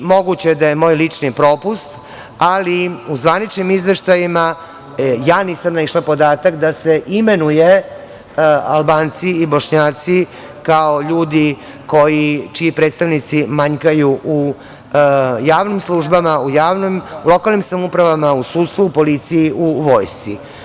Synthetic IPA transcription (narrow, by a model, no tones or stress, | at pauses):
mo̞ɡut͡ɕed̪ajemo̞ːjlit͡ʂnipɾo̞ːpust̪ | aliuzʋanit͡ʃnimizʋe̞ʃt̪ajima | jaːniːsamnaiʃlapo̞d̪aːt̪akd̪ase̞ʔime̞nuje | albaːnt̪siibo̞ʂɲaːt̪si | kao̞ʎuːd̪i | ko̞jit͡ʃiipɾet̪st̪aʋnit̪simaɲkajuʔu | jaːʋnimslˠuʒbamaujaːʋnomulo̞kalˠnimsamupɾaʋamausuːt̪st̪ʋuupo̞lit̪sijiuʋo̞jst̪sḭ